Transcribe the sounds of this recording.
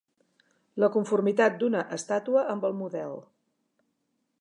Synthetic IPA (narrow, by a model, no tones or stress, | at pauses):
ləkuɱfurmit̪at̪̚d̪unəʔəst̪at̪uəʔəmbəlˠmuðɛlˠ